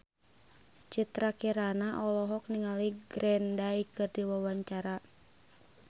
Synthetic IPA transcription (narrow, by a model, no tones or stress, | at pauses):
t͡ʃit̪ɾakiɾanaʔɔlɔɦɔk̚niŋaliɡɾɛndaikɨrdiwawaɲt͡ʃaɾa